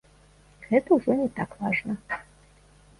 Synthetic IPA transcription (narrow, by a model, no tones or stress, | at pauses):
ɣɛt̪ɐuʐɔnʲɛt̪akvˠaʐnɐ